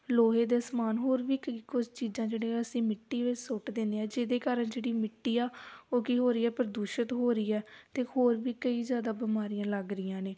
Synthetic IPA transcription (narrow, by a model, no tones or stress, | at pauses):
loːɦeːd̪eːsmaːnɦoːɾʋiːkəikʊd͡ʒt͡ʃiːzãːd͡ʒeːɽẽːəsĩːmɪʈːiːʋɪt͡ʃsʊʈd̪ẽːnd̪eːɛːd͡ʒeːd̪eːkaːɾənd͡ʒeːɽiːmɪʈːiːaːoːkiːɦoːɾiːɛːpəɾəd̪uːʃət̪ɦoːɾiːɛːt̪eːhoːɾʋiːkəiːzjaːd̪aːbɪmaːɾijãːləɡɾɪjãːneː